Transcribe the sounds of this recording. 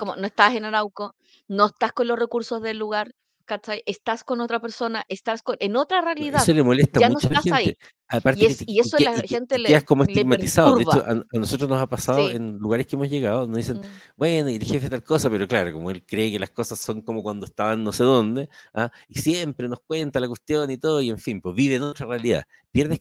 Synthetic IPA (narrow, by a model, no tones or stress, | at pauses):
komonoest̪aasenaɾawko | noest̪askonlorekuɾsozðelːuɣaɾ | kat͡ʃajʔest̪askonot̪ɾapeɾso̞naʔest̪askonʔenot̪ɾarealiðeaðsolemo̞lest̪amanunot͡ʃalaenait̪e | apaɾteeiesoaent̪eleaskomoeseɡmatɾisaðuðɾeβt͡ʃoʔa̰nanosot̪ɾosnosapasaðoenluɣaɾekeemozʝeɣaðonoðis̬en | bwenoielxefet̪alkosapeɾoklaɾokomoelkɾeːkelahkosasːoŋkomokwand̪oest̪aβanːo̞seðo̞nd̪ea | isjempɾe̞nohk̚went̪alakwest̪jonit̪oðoie̞ɱfimpweβiβeːnot̪ɾarealiða̰ | pje̞ɾðeh